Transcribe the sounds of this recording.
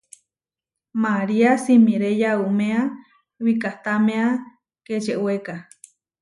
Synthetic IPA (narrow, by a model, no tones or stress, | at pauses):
maɾiasimĩɾejaumea | wikaht̪amẽa | ket͡ʃeʔweka